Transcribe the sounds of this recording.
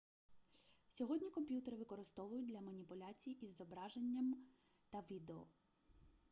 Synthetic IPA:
sʲɔɦɔdʲnʲikɔmpʲjut̪eɾɪʋɪkɔɾɪst̪ɔʋʊjʊt̚ʲdlʲɐmɐnʲipʊlʲat͡sʲijiʔizɔbɾɑʒe̞nʲːɐm | t̪ɐʋʲid̪eɔ̰

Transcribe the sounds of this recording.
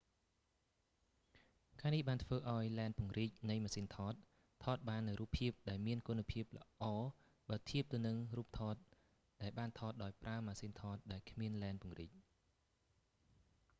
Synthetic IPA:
kaːnihɓaːnt̪ʰʋəːʔaɔjlɛɛnpŭəŋriːc̚nɨjmaːsiːnt̪ʰɑːt̪̚ʰ | ɑːt̪̚ɓaːnːɨwruːpʰːiəp̚ɗaɛlmiənkunːapʰiəp̚lə̰̆ʔɑː | ɓaːt̪ʰiəp̚t̪ɨwnɨŋruːp̚t̪ʰɑːt̪̚ | ɗaɛlɓaːnt̪ʰɑːt̪̚ɗaɔjpraəmaːsiːnt̪ʰɑːt̪̚ɗaɛlkʰmiənlɛɛnpŭəŋriːc̚

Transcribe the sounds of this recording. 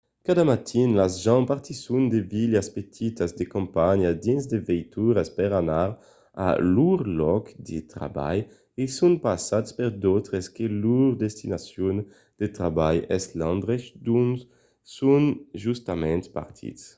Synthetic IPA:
kad̪amat̪ʰinlazʒãnpaɾt̪isund̪eviljaspet̪ʰit̪azd̪ekõmpaɲad̪inzd̪evɛjt̪uɾaspɛɾanaɾ | a̰luɾlɔkd̪et̪ɾa̰ba̰j | esunpasat̪spɛɾd̪ot̪ɾeskeluɾd̪est̪inasjun | d̪̥et̪ɾabajɛslãnd̪ʁeʃd̪un | sunʒust̪amɛ̃nt̪pa̰ɾt̪ʰḭts

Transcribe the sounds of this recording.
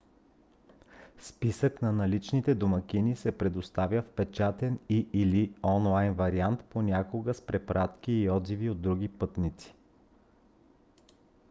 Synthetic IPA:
spisəknɐnɐlit͡ʃnit̪ɛd̪oməkʲinisɛpɾɛd̪ost̪avʲjəfpɛt͡ʃat̪ɛniiliɔnlˠajnvɐɾiant̪ponʲakoɡəspɾɛpɾat̪k̟iːɔd̪ziviod̪̚ːɾuɡipɤt̪nit̪si̥

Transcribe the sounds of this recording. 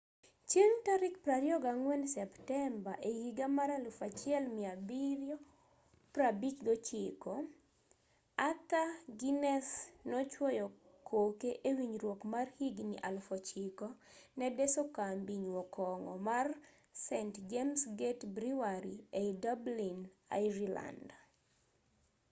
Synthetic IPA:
t͡ʃeŋtaɾɪkpɾaɾjɔɡaŋwɛnsɛptɛmbaʔehiɡamaɾalufat͡ʃɪɛlmɪabiɾjɔ | pɾabikɡɔt͡ʃikɔ | at̪aɡinɛsnɔt͡ʃwɔjɔ | kʰokeʔewiɲɾwokmarhiɡnḭʔalfɔt͡ʃikɔnɛdɛsɔkambiɲwɔkʰɔŋɔ̰mar | sɛntd͡ʒemsɡetbɾiwaɾiedablina̰jɾila̰nd

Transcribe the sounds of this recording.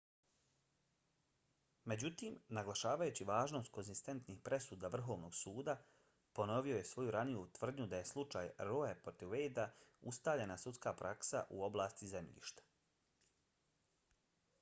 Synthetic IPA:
me̞d͡ʑut̪iːmnaɡlaʃaːʋajuːt͡ɕiʋaːʒno̞ːst̪̚konzist̪e̞nt̪niːxpɾʔe̞suːd̪aʋr̩ɦo̞ːʋno̞ːɡsuːd̪a | po̞no̞ʋio̞je̞sʋo̞juɾanijut̪ʋr̩d̪ɲud̪aje̞slˠut͡ʃaːjɾoepɾot̪iʋejd̪aust̪aːvʎe̞nasut̪skaːpɾʔaksa̰ʔṵo̞blaːst̪ize̞mʎḭːʃt̪ḁ

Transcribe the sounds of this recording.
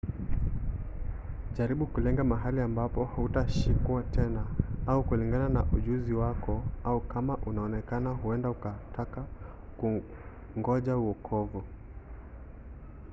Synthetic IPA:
ʄaɾiɓukulɛŋɡamaɦaliambapɔhautaʃikwatʰɛnaaukuliŋɡananaʔuʄuziwakɔaukamaʔunaɔnɛkanaɦuɛndaukatʰaka | ku | ŋɡɔʄauɔkʰɔvu

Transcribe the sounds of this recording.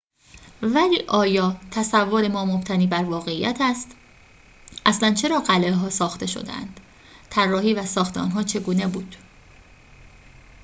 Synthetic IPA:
væliːʔɒːjɒːt̪ʰæsævːoɾe̞mɒːmob̥t̪ʰæniːbæɾvɒːɣe̞iːjæ̰t̪ʰæst̪ | ʔæslænt͡ʃʰe̞ɾɒːɢæleɦɒːsɒːxt̪ʰe̞ʃo̰d̪ḛæ̰nd̪̥ | t̪ʰærːɒːhiːvæsɒːxt̪eɒ̰ːnɦɒːt͡ʃʰe̞ɡuːne̞buːd̪̥

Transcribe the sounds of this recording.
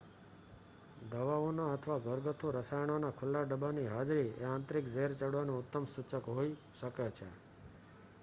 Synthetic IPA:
d̪əʋaonaət̪ʰʋaɡəɾɡət̪ʰuɾəsajɳ̃onakʰʊlːaɖəbaniɦad͡ʒɾiḛãnt̪ɾikd͡ʒeɾt͡ʃəɽanũʊt̪ːəmsut͡ʃəkɦoiʃəket͡ʃʰḛ

